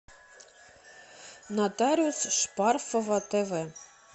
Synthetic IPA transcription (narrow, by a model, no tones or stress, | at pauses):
nɑt̪ɑɾʲiusʃpɑrfovɑt̪eve